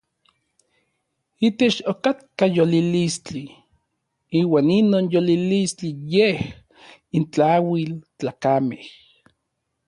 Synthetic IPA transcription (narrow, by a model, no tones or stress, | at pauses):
it̪et͡ʃokat̪kajolilist͡ɬi | iːwaːninoːnjolilist͡ɬijeh | int͡ɬawilt͡ɬaːkameh